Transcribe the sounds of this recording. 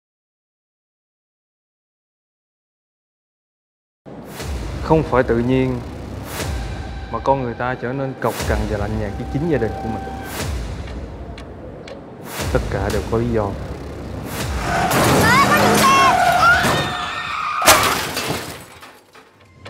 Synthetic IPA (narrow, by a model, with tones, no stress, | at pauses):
xə˧wŋ͡mfaː˧˩jt̪ɨ̰˧˨ɲi˧ən | maː˨˩kɔ˧nŋɨ˨˩əjt̪aː˧t͡ɕəː˧˩ne˧nkə˨˩wk͡p̚ka˨˩ŋvaː˨˩la̰˧˨jŋɲaː˨˩k̚ki˨˦t͡ɕï˨˦ŋ̟zaː˧ɗï˨˩ŋ̟ku˧˩əmï˨˩ŋ̟ | t̪ə˦˥t̚kaː˧˩ɗe˨˩wkɔ˨˦li˨˦zɔ˧˨˧